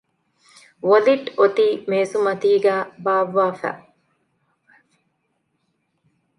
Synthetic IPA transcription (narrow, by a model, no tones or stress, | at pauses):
ʋoliʈot̪iːmeːsumɐt̪iːɡæːbaːʋːaːfæ̰ː